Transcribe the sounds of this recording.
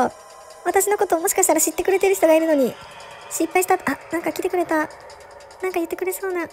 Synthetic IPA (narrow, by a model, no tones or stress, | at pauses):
o | β̞at̪aɕino̞ko̞t̪o̞ːmo̞ɕi̥kaɕi̥t̪aɾaɕit̪ːe̞kɯɾe̞t̪e̞ɾɯç̥t̪o̞ɡaiɾɯ̟no̞ɲ̟i | ɕipːaiɕi̥t̪at̪anãŋkakʲit̪e̞kɯɾe̞t̪a | nãŋkajɯ̟t̪ːe̞kɯ̟ɾe̞so̞ːna